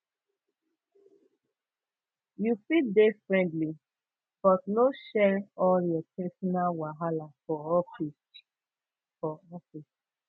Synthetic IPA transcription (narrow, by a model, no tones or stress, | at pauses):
jufidefɹɛ̃ntli | b̥ɔtnoʃɛɹɔljɔpʰɛsɔnalwaɦalafɔɔfist | fɔɔfis